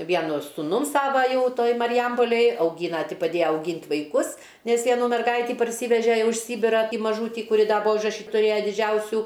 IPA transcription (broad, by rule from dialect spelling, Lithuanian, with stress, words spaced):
ˈʋʲiɛnʊ sʊˈnʊm ˈsɑːʋɐ ˈjɛʊ ˈtoːj mɐrʲɪˈjɛmpoːlʲeːj ɐʊˈɡʲiːnɐ ˈtʲɪ pɐˈdʲeːjɛ ɐʊˈɡʲiːnʲtʲ ʋɐɪˈkʊs ˈnʲɛs ˈjiɛ ɐˈnuː mʲɛrˈɡɐɪtʲiː pɐrʲˈsʲiːʋʲɛʒʲɛ ˈjɛʊ ɪʃ ˈsʲiːbʲɪrɑːˈtʲiː mɐˈʒuːtʲiː kʊˈrʲɪ ˈdɐ ˈbʊɐ ʊʒrɐˈʃʲiː tʊˈrʲeːjɛ dʲɪˈd͡ʒʲɛʊsʲʊ